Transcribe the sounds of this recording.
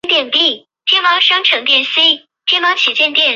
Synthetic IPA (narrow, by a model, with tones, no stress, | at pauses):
t̪jɛ˥˩npi˥˩ | t̪ʰjɛ˥nwɑ˧˥ŋʂɑ˥ŋʈ͡ʂʰɤ˧˥ŋt̪jɛ˥˩nsi˥ | t̪ʰjɛ˥nwɑ˧˥ŋt͡ɕʰɛ˨˩t͡ɕjɛ˥˧nt̪jɛ˥˩n